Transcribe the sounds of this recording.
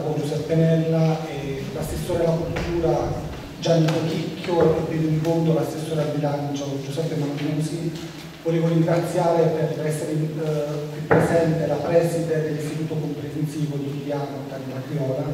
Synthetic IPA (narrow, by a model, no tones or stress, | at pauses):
kond͡ʒusɛpːenɛlːae | lasesːoːɾealakult̪uːɾa | d͡ʒanːikokikʰʲːjoet̪ːenid̪ikont̪olasesːoːɾealbilant͡ʃokond͡ʒusɛpːemannuːsi | voleːvoɾiŋɡɾat̪sːjaːɾeperɛsːeɾe | kːwipːɾezɛnt̪elapɾɛsid̪ed̪elːist̪it̪uːt̪okompɾefensiːvod̪iliaːnot̪ːad̪ilakɾiɔːla